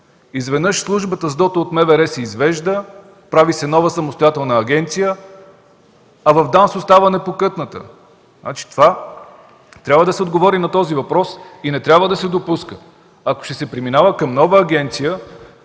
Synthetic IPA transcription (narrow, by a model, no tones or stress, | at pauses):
izvɛd̪nɤʃslˠuʒbət̪əzd̪ɔt̪əot̪mɛvɛɾɛsɛizvɛʒd̪ə | pɾavisɛnɔvəsɐmost̪ojat̪ɛlˠnəɐɡʲɛnt̪sijə | ɐvɐvd̪ansost̪avənɛpokɤt̪nət̪ə̰ | a̰t͡ʃi̥t̪ova | t̪ɾʲabvəd̪ɐsɛod̪ɡovɔɾinɐt̪ɔzivɐpɾɔsinɛt̪ɾʲabvəd̪ɐsɛd̪opuskə | ɐko̥ʃt̪ɛsɛpɾiminavəkɐmnɔvəːɡʲɛnt̪sijə